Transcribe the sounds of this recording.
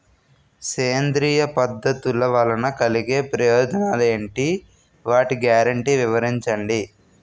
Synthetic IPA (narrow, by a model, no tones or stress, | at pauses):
seːnd̪ɾiːjɐpɐd̪ːɐt̪ulːɐʋɐlɐnɐkɐliɡeːpɾɐjoːd͡ʒɐnaːleːɳʈi | ʋaːʈiɡjaːɾɐɳʈiʋiʋɐɾiɲt͡ʃɐɳɖi